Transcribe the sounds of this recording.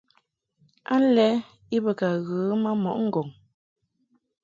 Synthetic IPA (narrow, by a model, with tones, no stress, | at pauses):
a˦lɛ˦ | i˦bə˨ka˨ɣɯː˨˦ma˦mɔ̰˨ʔŋ̩˦˨ɡɔ˨ŋ